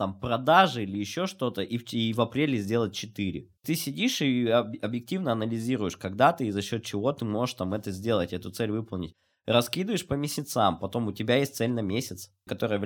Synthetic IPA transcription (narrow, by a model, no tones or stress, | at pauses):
t̪ampɾɐd̪aʐɨilʲɪjɪɕːo̞ʂt̪o̞t̪əʔiivɐpɾʲelʲɪzʲdʲe̞lˠət̚ʲt͡ɕɪt̪ɨɾʲɪ̰ | t̪ɨsʲɪdʲiʂɨɐɐbjɪk̚tʲivnəɐnəlʲɪzʲiɾʊjɪʂkɐɡd̪at̪ɨzɐɕːo̞t̪̚t͡ɕɪvo̞t̪ɨmo̞ʐɨʂt̪amɛt̪əzʲdʲe̞lˠətʲɛt̪ʊt̪sɛlʲvɨpəlˠnʲɪ̰tʲ | rɐskʲid̪ɨvjɪʂpəmʲɪsʲɪt̪sampɐt̪o̞mʊtʲɪbʲajesʲt̪̚ʲsɛlʲnəmʲesʲɪt̪s | kɐt̪o̞ɾɨjəv